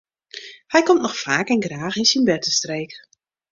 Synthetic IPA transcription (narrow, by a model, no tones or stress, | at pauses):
hɛjkɔmtnɔxfaːkɛnɡraːxinsinbɛtəstreːk